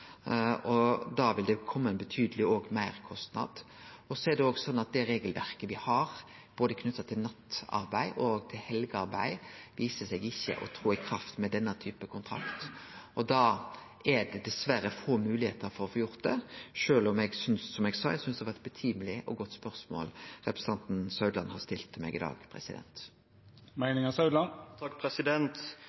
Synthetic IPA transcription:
ɔd̪ɑʋɪld̪ɛkʰɔmːɑɛnbət̪ʰyːd̪əlɪoːɡmæɪɾkʰɔst̪nɑ̰d̪̥ | ɔsɔɛd̪ɛoːɡsɔnːɑt̪̚d̪ɛɾeːɡəlʋæ̰ɾkəʋɪhɑɾ | b̥oːd̪əkʰnʉt̪ːɑt̪ʰɪlnɑt̪ːɑ̰ɾbæɪʔɔɡt̪ʰɪlhɛlɡəɑɾbæ̰ɪʋiːsəsɛɡɪçːə̰ʔɔ̰t̪ʰɾuːɪkʰɾɑft̪mɛd̪ɛnːət̪ʰyːpəkʰʊnt̪ʰɾɑ̰kt̪ʔɔd̪ɑː | æɖɛd̪ɛsʋæɾəfoːmʉːlɪheːt̪əɾfɔɾɔfɔːjʊɾt̪̚d̪ɛʃøːlɔmɛɡsʏnsːɔmɛɡsɑːɛ̰ɡsʏnsd̪ɛhɑʋæɛt̪̚bət̪ʰyːməlɪʔɔ̰ɡɔt̪ːspœʁsmo̰ːlʁɛpɾəsə̥ɑnt̪n̩sœʉd̪lɑnhɑst̪ɪlt̪mɛ̰ɡɪ̰d̪ɑ̰ːɡpʰɾɛ̰sɪd̪ɛ̰nt̪ | mæɪnɪŋɑsɑʉd̪lɑnt̪ʰɑkːpʰɾɛsɪd̪ɛnt̪

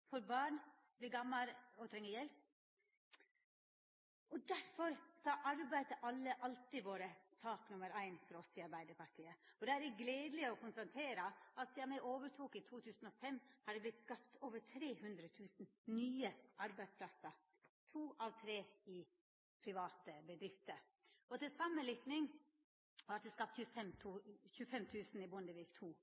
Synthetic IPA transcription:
fɔɾbɑːɳ | bliɡɑmːɑɾɔt̪ʰɾɛŋːəjɛlp̚ | ɔd̪æɾfɔɾsɑʔɑɾbæɪd̪əʔɑlːəʔɑlt̪ɪʋoːɾəsɑːknʊməɾæɪnfɔɾɔsɪɑɾbæɪd̪əpɑʈʰiːəɔd̪ɛæɾɛɡleːd̪lɪɔkʊnst̪ɑnt̪ʰeːɾəɑt̪siːɑmæɪʔoːʋəʈʰuːkɪt̪ʰuːt̪ʰʉːsn̩ɔfɛmːhɑɖɛblɪt̪skɑpt̪ʰoːʋəʈʰɾeːhʉnd̪ɾət̪ʰʉːsn̩nyːəʔɑɾbæɪd̪spʰlɑsə | t̪ʰuːʔɑʋt̪ʰɾeːɪ | pʰɾɪʋɑːt̪əbəd̪ɾɪft̪əɾ | ɔt̪ɪlsɑmːəlɪk̪nɪŋ | ʋɑt̪̚d̪ɛskɑp̚t̪çʉfɛmt̪ʰuːçʉːəfɛmt̪ʰʉːsn̩ɪbʊnəʋiːkt̪ʰuː

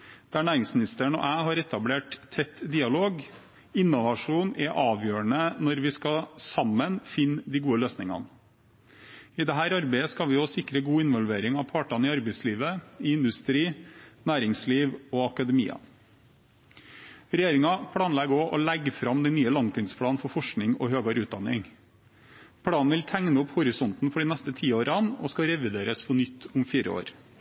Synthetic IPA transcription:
d̪̥ɛæːɳæːɾɪŋsmɪnɪst̪əɳɔ̰ʔæːɦɑɾɛt̪ɑbleːʈt̪ʰɛt̪ːd̪iːɑloːɡ | ɪnːʊʋɑʂuːnɛʔɑːʋjøːəɳənɔɾʋɪskɑsɑmːənfɪnːd̪ɪɡuːəløːsnɪŋɑ̰n | ɪd̪ɛɦæːɾɑɾbæɪəskɑʋɪɔsɪkːɾəɡuːɪnʋɔlʋeːɾɪŋɑʋpʰɑːʈɑnɪɑɾbæɪsliːʋəɪɪnd̪ʉst̪ɾiːnæːɾɪŋsliːʋɔːɑkɑd̪əmḭːɑ̰ | ɾɛjeːɾɪŋɑpʰɽɑːnlɛɡoːʔɔlæɡfɾɑmd̪ɛnnyːəlɑŋt̪ʰiːnspʰɽɑːnfɔɾfɔʂknɪŋɔ̰ɦøːɡɑɾʉːt̪̚d̪ɑnɪŋ | pʰɽɑːnn̩ʋɪlt̪ʰæŋnəʊphʊɾɪsɔnt̪n̩fɔɖiːnɛst̪ət̪ʰiːoːɾɑnɔ̰skɑɾɛʋɪd̪eːɾəspʰɔnʏt̪ʰːʊmfiːɾə̰o̰ːɾ

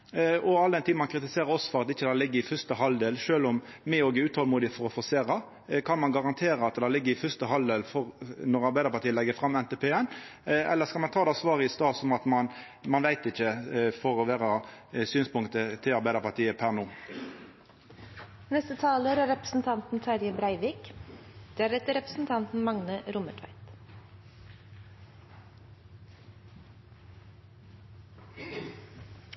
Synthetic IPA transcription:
ɔɑld̪ɛnt̪ʰɪmɑnkʰɾɪt̪ɪseːɾəɾɔsːɔ̥fɔɾʁɑt̪ɪçːəd̪ælɪɡːəɾɪfœst̪əɦɑld̪eːlʃøːlɔm | mɪoːɡɪʉːt̪hɔlmuːd̪ɪfɔɾɔfɔseːʁɑ | kʰɑnmɑnɡɑʁɑnt̪ʰeːɾəɑt̪d̪ælɪɡːəɾɪfœst̪əɦɑld̪eːlfɔʁnɔʁɑɾbæɪd̪əpɑt̪iːəlɛɡəfʁɾɑmːɛnt̪ɛpʰeːɛnɛ̰lːəskɑlmɑnt̪ʰɑːd̪ɛɑsʋɑːʁəɪst̪ɑːsɔmɑt̪mɑn | mɑnʋæɪt̪ɪçːəfɔɾɔʋæːʁɑsyːnspʊŋt̪ət̪ʰɪlɑɾbæɪd̪əpɑʁt̪ʰiːəpʰæʁnuː | nɛst̪ət̪ʰɑːləɾæɾɛpɾə̥sn̩t̪ʰɑnt̪n̩t̪ʰɑɾjəbɾæɪʋiːkd̪̥eæɾɛt̪əɾɛpɾəsn̩t̪ʰɑnt̪n̩mɑŋnəɾʊməʈʰʋæ̰ɪt̪

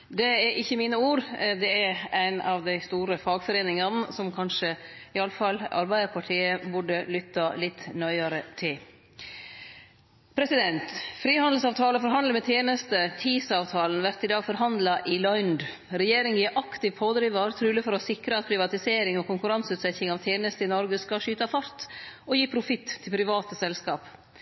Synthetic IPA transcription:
d̪ɛæɾʔɪçːəmiːnəuːɾd̪ɛɛɾæɪnɑʋd̪æɪst̪uːɾəfɑːɡfɔɾeːnɪŋɑnəsɔmkʰɑnʂəɪɑlːəfɑlːɑ̰ɾbæɪd̪əɾpʰɑʈʰiːəbʊɖəlʏt̪ːɑlɪt̪ːnœʏɑɾət̪ʰɪl | pʰɾɛsɪd̪ɛnt̪fɾiːhɑnd̪l̩sɑːʋt̪ʰɑːləfɔɾɦɑnd̪ləɾmɛt̪ʰjeːnəst̪ət̪ʰiːsɑːʋt̪ʰɑːlən̩ʋæɾt̪ɪd̪ɑːɡfɔɾɦɑnd̪lɑʔɪlɔʏnd̪ | ɾɛjeːɾɪŋjiːʔɑkt̪ɪʋpʰoːd̪ɾiːʋɑɾt̪ʰɾʉːləfɔɾɔsɪkɾəɑt̪̚pʰɾɪʋɑt̪ɪseːɾɪŋɔkʊŋkʉɾɑnsʉːt̪sɛçɪŋɑːʋt̪ʰjeːnəst̪əɪnɔɾɡəskɑʃyːt̪ɑfɑɾt̪ɔjiːpʰɾʊfɪt̪ʰːɪlpʰɾɪʋɑːt̪əsɛlskɑːp

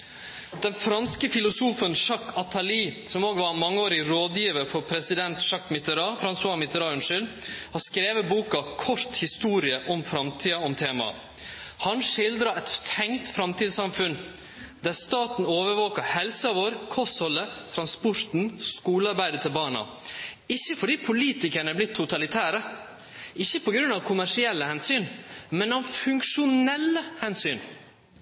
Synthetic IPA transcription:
d̪̥ɛnfɾɑnskəfɪlʊsuːfənʂɑkʰːɑt̪ʰɑliːsɔmoːɡʋɑɾmɑŋːəoːɾɪɾoːd̪jiːʋəɾfɔɾpʰɾɛsɪd̪ɛnt̪ʂɑkːmɪt̪əɾɑːfɾɑnsɑːmɪt̪əɾɑːʉnʂɪl | hɑskɾeːʋəbuːkɑkʰɔɾt̪hɪst̪uːɾɪəʔɔmfɾɑmt̪ʰiːɑɔmt̪ʰeːmɑ̰ | hɑnʂɪld̪ɾɑɛt̪t̪ʰɛŋt̪fɾɑmt̪iːd̪sɑmfʉn | d̪æɾst̪ɑːt̪n̩oːʋəɾʋoːkəhɛlsɑʋoːɾkʰɔsɔlːət̪ʰɾɑnspɔɾt̪n̩skuːləɑɾbæɪd̪ət̪ʰɪlbɑːɳɑ̰ | ɪçːəfɔɖiːpʰʊliːt̪ɪkəɳəblɪt̪ʰːʊt̪ʰɑlɪt̪ʰæːɾə | ɪçːəpʰɔɡɾʉnɑʋkʰʊmæʂɪɛlːəhɛnsyːnmɛnɔʋfʉŋkʂʊnɛlːəhɛnsyːn

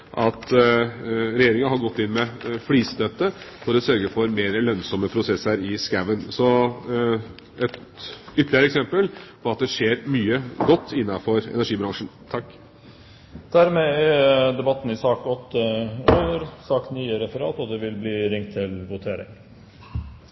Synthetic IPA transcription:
ʔɑt̪ | ɾɛjeːɾɪŋəɑɦɑɾɡɔt̪ːɪnmɛfliːst̪œt̪ːəfɔɾɔsœɾɡəfɔɾmeːɾəlœnsɔməpʰɾʊsɛsəɾɪskæʋənsɔ | ɛt̪ʏt̪ʰːəlɪəɾəɛksɛmpəlpʰɔɑt̪̚d̪ɛʂeːɾmyːəɡɔt̪ːɪnːɑfɔɾɛ̰næɾʂiːbɾɑŋʂn̩t̪ʰɑkː | d̪̥æɾmeæd̪ɛbɑt̪ːn̩ɪsɑːkɔt̪ʰːəøʏəɾsɑkt̪nyːəɾɛfəɾɑ̰ːt̪ɔd̪ɛʋɪlbliːɾɪŋt̪ʰːɪlʋʊt̪ʰeːɾɪ̰ŋ

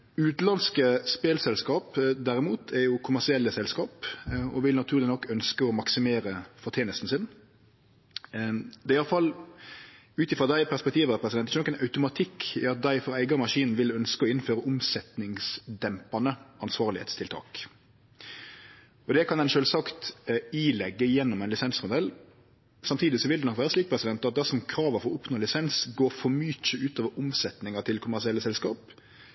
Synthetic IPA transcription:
ʉːt̪lɑnskəspeːlsɛlskɑːpd̪æɾɪmuːt̪ʰɛɾjʊkʰʊmæʁsɪɛlːəsɛlskɑːpɔ̰ʋɪlnɑt̪ʰʉːɾlɪnɔkːœnskəɔmɑksɪmeːɾəfɔʁt̪ʰeːnəst̪n̩sɪn | d̪ɛɪjɑlfɑl | ʉːt̪ɪfɾɑd̪æɪpʰæʁspɛk̚t̪ʰiːʋəpʰɾɛsɪd̪ɛnɛʃɛnɔkːɛnɑʉt̪ʊmɑt̪ʰɪkʰːɪ̰ɑt̪̚d̪æɪfɔɾæɪɡɑmɑʂiːnn̩ʋɪlœnskəɔɪnføːɾəʊmsɛt̪nɪŋsd̪ɛmpɑnəɑnsʋɑːʁlɪhḛːt̪st̪ʰɪlt̪ʰɑ̰ːk | ɔd̪ɛkʰɑnd̪ɛnʃøːlsɑkt̪iːlɛɡːəjɛnːɔmæɪnlɪsɛnsmʊd̪ɛl | sɑmt̪ʰiːd̪ɪsɔʋɪld̪ɛnɔkʋæːɾəsliːk̚pʰɾɛsɪd̪ɛnt̪ɑt̪̚d̪æsɔmkʰɾɑːʋəfɔɾɔʊpnoːlɪsɛnsɡoːɾfɔmyːt͡ʃəʉːt̪oːʋəɾʔʊmsɛt̪nɪŋɑt̪ʰɪlkʰʊmæʁsɪɛlːəsɛlskɑːp

